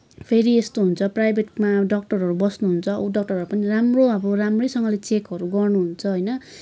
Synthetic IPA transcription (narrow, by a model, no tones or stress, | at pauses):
pʰeɾiest̪oɦunt͡sʰʌprajbʱeʈmaɖʌk̚ʈʌrɦʌɾubʌsnuɦunt͡sʰʌ̰uɖʌk̚ʈʌrɦʌɾupʌniramroʌbʌramrʌjsʌŋɡʌlet͡sekɦʌɾuɡʌrnuɦunt͡sʰʌɦʌjnʌ